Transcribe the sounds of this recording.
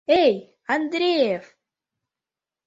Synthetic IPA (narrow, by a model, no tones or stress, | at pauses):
ej | and̪ɾʲejef